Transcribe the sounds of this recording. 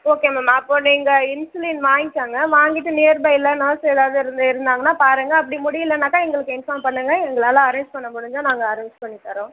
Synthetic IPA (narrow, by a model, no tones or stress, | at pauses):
oːkeːmɐmaːɐpːoniːŋɡɐɪnsʊliːnʋaːŋɡɪʈːaːŋɡɐʋaːŋɡɪʈːɯneːɾbɐɪlɐnɐːsɛðaːʋðɯɪɾɯnd̪ɪɾɯnd̪aːŋɡɐnːaːpaːɾɯŋɡɐːp̬ːɐɽimʊɽɪjɪlːɐnɐkːaːɛŋɡɐɭɯkːɯɪnfaːmpɐɳːɯŋɡɐɛŋɡɐɭaːlãɐɾeːɲd͡ʒpɐɳːɐmʊɽɯɲd͡ʒaːnaːŋɡɐːɾeːɲd͡ʒpɐɳːit̪ːɐɾõː